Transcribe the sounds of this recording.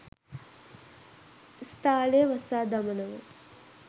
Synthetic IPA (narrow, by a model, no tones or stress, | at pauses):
st̪aːlejəʋɐsaːd̪ɐmənəʋə